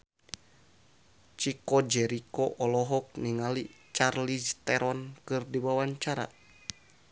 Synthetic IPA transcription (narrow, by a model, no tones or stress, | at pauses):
t͡ʃikɔd͡ʒɛɾikoʔɔlɔɦɔk̚niŋali | t͡ʃarlist̪ɛɾɔnkɨrdiwawaɲt͡ʃaɾa̰